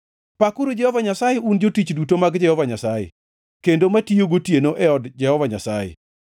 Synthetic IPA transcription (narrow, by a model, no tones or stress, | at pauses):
pakuɾod͡ʒɛhɔvaɲasajeʔund͡ʒotit͡ʃdutomaɡd͡ʒɛhɔvaɲasajḛ | kendomatioɡotjenoʔɛɔdd͡ʒɛhɔvaɲasajḛ